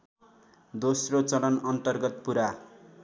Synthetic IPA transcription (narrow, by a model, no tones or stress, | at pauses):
d̪osrot͡sʌɽʌnʌnt̪ʌrɡʌt̪̚puɾa